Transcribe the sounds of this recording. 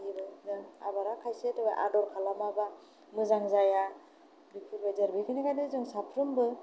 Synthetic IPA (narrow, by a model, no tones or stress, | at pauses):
ibɯzaa̰baɾakʰajsetɯbaʔa̰dɔɾkʰalamaba | mɯzaŋzaja | bikʰuɾbazaɾbekʰɯnikʰajnɯzɯŋsapʰɾɯmbɯ